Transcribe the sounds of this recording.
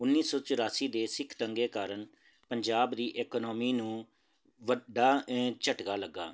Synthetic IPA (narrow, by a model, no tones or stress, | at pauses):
ʊnːiːsɔːt͡ʃʊɾaːsiːd̪eːsɪkʰt̪əŋɡeːkaːɾəɳ | pəɲd͡ʒaːbd̪iːʔeːkːnɔːmiːnũː | ʋəɖaːt͡ʃəʈɡaːləɡːa̰ː